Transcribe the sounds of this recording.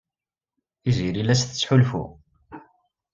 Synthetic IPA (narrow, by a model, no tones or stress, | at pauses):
iziɾilæsθət͡sːħulfṵ